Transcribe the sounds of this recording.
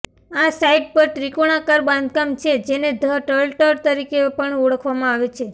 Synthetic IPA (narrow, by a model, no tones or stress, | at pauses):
asaiɖ̚pəɾʈɾikoɽ̃akaɾbãnd̪̚kamt͡ʃʰed͡ʒened̪ʱəʈəlʈəɾt̪əɾikepəɳɔɽəkʰʋamãaʋet͡ʃʰe